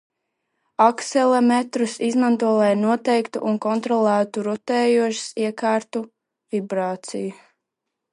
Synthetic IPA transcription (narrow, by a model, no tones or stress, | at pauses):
aksɛlˠamɛt̪ɾusizmant̪uɔlˠɛjnuɔt̪ɛjkt̪uʔunkɔnt̪ɾɔlˠæːt̪uɾut̪ɛːjuɔʃi̥siɛkaːɾt̪u | vibɾaːt̪siju